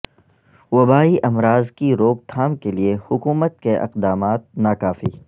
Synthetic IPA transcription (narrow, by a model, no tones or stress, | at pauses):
wɐbaːiʔɐmɾaːzkiɾoːb̚t̪ʰaːmkeliehʊkuːmət̪̚keʔɪ̰qd̪aːmaːt̪̚naːkaːfiː